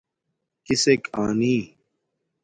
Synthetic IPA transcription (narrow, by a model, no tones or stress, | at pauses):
kiseka̰ːniː